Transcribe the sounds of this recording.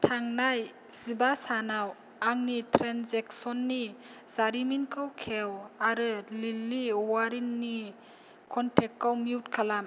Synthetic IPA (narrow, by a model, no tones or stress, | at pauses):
tʰaŋnaj | z̥ibasanaw | aŋnitʰɾanzeksɔnːi | zaɾiminkʰɯwkʰewaɾɯlilːiwaɾinːi | kʰɔntʰek̚kːawmiwtkʰalam